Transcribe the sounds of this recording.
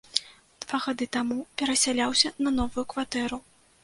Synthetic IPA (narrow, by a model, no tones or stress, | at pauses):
d̪̥v̥aɣad̪ɨt̪amupʲɛɾɐsʲalʲawsʲɐnɐnɔvujukvat̪ɛɾu